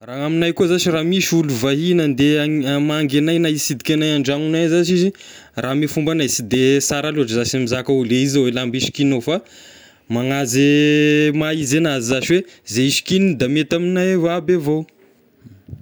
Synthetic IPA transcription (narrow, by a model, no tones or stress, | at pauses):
raaminajkuzat͡ʃiraːmiʃuluvaɦinənd̪eamaŋɡenajnaisid̪ikʲenajaɳɖ͡ʐaŋunajzat͡ʃiziramifumbanaisid̪esaɾaluaʈ͡ʂəzaʃamizakauleizawelambiʃi̥kinofa | maŋazemaizenazizaʃiwezeiʃi̥kinid̪amet̪aminajevabevow